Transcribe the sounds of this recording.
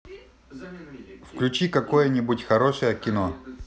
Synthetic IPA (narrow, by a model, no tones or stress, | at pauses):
fklʲʉt͡ɕikɐkojənʲibutʲxɐɾoʂəjəkʲɪno